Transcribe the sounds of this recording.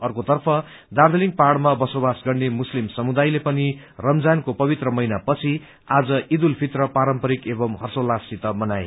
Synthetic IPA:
ʌrkot̪ʌrpʰʌ | d̪ard̪eliŋ̚parɽmabʌsobasɡʌɽnemuslimsʌmud̪ajlepʌni | rʌmd͡zankopʌbit̪rʌmʌjnapʌt͡sʰi | ad͡zʌʔid̪ulpʰit̪rʌpaɾʌmpʌɾikebʌmɦʌrsolasit̪ʌmʌnaj

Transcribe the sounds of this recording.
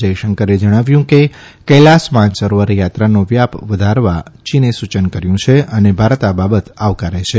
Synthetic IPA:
əjʃəŋkəɾed͡ʒəɽ̃aʋjũkekəlasmãnsəɾʋəɾjat̪ɾanoʋjapʋəd̪ʱaɾʋat͡ʃinesut͡ʃənkəɾjũt͡ʃʰeənebʱaɾt̪ababət̪aʋkaɾet͡ʃʰe

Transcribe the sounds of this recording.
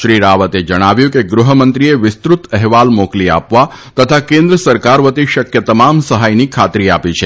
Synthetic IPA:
ʃɾiɾaʋət̪ed͡ʒəɽ̃aʋjũkeɡɾuɦəmə̃nt̪ɾieʋɪst̪ɾut̪ɛɦʋalmoklia̰pʋa | t̪ət̪ʰakẽnd̪ɾəsəɾkaɾʋət̪iʃəkjət̪əmamsəɦajnikʰat̪ɾiapit͡ʃʰe

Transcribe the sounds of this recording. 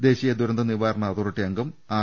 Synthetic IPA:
d̪e̞ːɕijɐd̪uɾɐnd̪ɐniʋaːɾɐɳɐðurɐʈːijɐŋɡɐmaː

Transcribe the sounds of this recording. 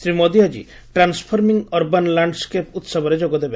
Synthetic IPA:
sɾimɔd̪iad͡ʒḭ | ʈɾanspʰɔɾmiŋɔɾbanlaɳɖskeput̪sɔbɔɾed͡ʒoɡɔd̪ebe

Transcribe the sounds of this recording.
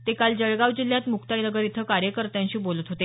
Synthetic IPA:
t̪ekald͡ʑəɭɡaʋd͡ʑil̤jat̪mukt̪ainəɡəɾit̪ʰəkaɾjəkəɾt̪jãɲt͡ɕiːbolət̪ɦot̪e

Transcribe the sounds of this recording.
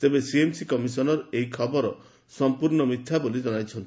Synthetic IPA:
t̪ebesiemsikɔmisɔnɔɾejkʰɔbɔɾɔ | sɔmpuɾɳɔmit̪ʰːjabolid͡ʒɔɽajt͡ʃʰɔnt̪i̥

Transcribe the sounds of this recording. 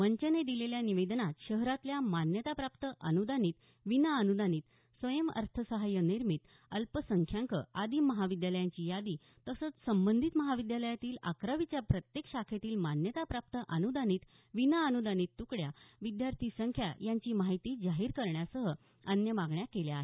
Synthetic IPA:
məɲt͡ɕəned̪ileljaniʋed̪nat̪ɕəɦɾat̪ljamanjət̪apɾapt̪əʔənud̪ʱaniːt̪ | ʋinaənud̪ʱaniːt̪ | sʋəjəmə̰ɾt̪ʰəsəɦajəniɾmit̪ | əlpəsəŋkʰjaŋkə̰ad̪ʱiːməɦaʋid̪jaləjãɲt͡ɕiːjad̪iː | t̪əsət͡ssəmbənd̪ʱit̪məɦaʋid̪jaləjat̪iːla̰kɾəʋit͡ɕjapɾət̪jekɕakʰet̪iːlmanjət̪apɾap̚t̪əʔənud̪aniːt̪ | ʋinaənud̪ʱaniːt̪ːukɽjaʋid̪jaɾt̪ʰisəŋkʰja̰jaɲt͡ɕiːmaɦit̪iːd͡zaɦiːɾkəɾɳjasəɦə | ənjəmaɡɳjakeljeaɦe

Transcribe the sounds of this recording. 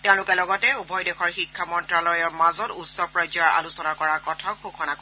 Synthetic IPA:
tɛʊ̃lʊkɛlɔɡɔtɛubʱɔjdɛxɔɹxikʰːamɔntɹalɔjɔɹmazɔtutsɔpɹɔjzɔɹa̰lusɔnakɔɹaɹkɔtʰaxukʰɔnak

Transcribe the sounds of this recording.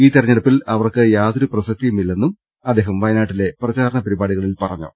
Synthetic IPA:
iːt̪irɐɲːɐɽɐpːilɐʋɐrkɨjaːðoɾuprɐsɐk̚t̪ːijumilːe̞nːum | ɐd̪ːe̞ːɦɐmʋɐjɐnaːʈːile̞prɐt͡ɕaːɾɐɳɐpɐɾibaːɽiɣɐɭilpɐrɐɲːṵ

